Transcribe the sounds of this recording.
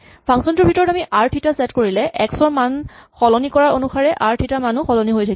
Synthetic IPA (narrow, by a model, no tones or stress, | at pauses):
pʰãŋsɔntʊɹbʱitɔɹɔtamiʔaɹtʰitasɛtkoɹilɛʔɛksɔɹmanxɔlɔnikɔɹaɹonuxaɹɛʔaɹtʰitamanʊxɔlɔniɦojtʰak